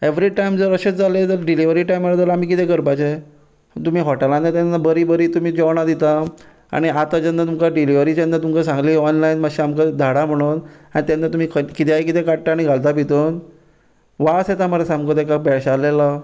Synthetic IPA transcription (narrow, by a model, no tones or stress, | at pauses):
eʋɾiʈaimd͡zəɾəɕet͡sd͡zalet̪əɾɖiliʋəɾiʈajmaləd̪əɾam̤iːkit̪ẽkəɾpat͡ɕe | t̪um̤iːɦɔʈelãnat̪anːabəɾiːbəɾiːt̪um̤iːd͡ʑɔʋɳad̪it̪a | a̰ɽ̃iat̪ad͡ʑenːat̪umkaɖiliʋɾiːd͡ʑend̪at̪umkasãŋɡliːɔnlainmaɕiamkad̪ʱaɽam̤əɽ̃uːnaɽit̪janːat̪um̤iːkʰəkit̪ʰeajkit̪ʰekaʈ̚ʈːaːɽiɡʱald̪apit̪ən | ʋaset̪aməɾasamkod̪ekapɛɕalela